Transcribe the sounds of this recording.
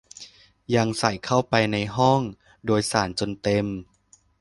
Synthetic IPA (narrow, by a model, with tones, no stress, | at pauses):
ja˧ŋsa˨˩˦jkʰa˥˩wpa˧jna˧jɦɔ˥˩ŋ | doː˧jsaː˩˦nt͡ɕo˧nt̪e˧m